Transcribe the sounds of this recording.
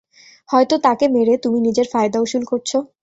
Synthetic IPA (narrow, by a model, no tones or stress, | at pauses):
hɔet̪ot̪akemeɾet̪uminid͡ʑeɾfaed̪auʃulkoɾt͡ɕʰo